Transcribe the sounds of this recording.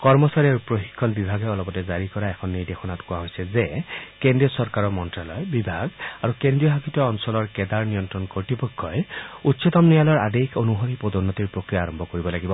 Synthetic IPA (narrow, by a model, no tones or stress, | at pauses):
kɔɹmɔsaɹiaɹupɹoxi̥kʰːɔnbibʱaɡɛɔlɔpɔtɛzaɹikɔɹaɛkʰɔnːiɹdexɔnatkʊaɦojsɛzekendɹijɔsɔɹkaɹɔmɔntɹalɔjbibʱaɡaɹukendɹijɔɦakitɔɔnsɔlɔɹkɛdaɹnijɔntɹɔnkoɹtipɔkʰːɔjutsɔtɔmnijalɔɹa̰dekʰonuɦɔɾipodɔnːɔtiɹpɹokɹijaːɹɔmbʱɔkoɹibɔlaɡibɔ